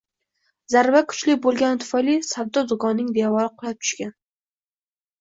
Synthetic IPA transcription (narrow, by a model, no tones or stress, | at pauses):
zaɾvakʰʊ̥t͡ʃlɪk̚ʲbolˠɡʲant̪ʰʊ̥fajlisabd̪ːɒzʊɡɒnːɪŋd̪evɒɾɪqʰʊlˠap̚t̪ʰʊ̥ʃkʲan